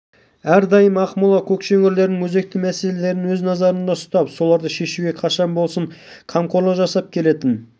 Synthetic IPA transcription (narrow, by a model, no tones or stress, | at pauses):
æɾd̪ɑjəmɑqmʊlˠɑkʲʰɵkʃɵŋʲɪɾle̞ɾnɪŋwɵze̞k̚t̪ɪmæse̞lele̞ɾɪnwɵznɑzɑɾənd̪ɑʊst̪ɑpso̞lˠɑɾd̪əʃe̞ʃuɡʲe̞qʰɑʃɑnbolˠsəɴ | qʰɑmqʰo̞ɾlˠɑʒɑsɑp̚kʲʰe̞le̞t̪ɪn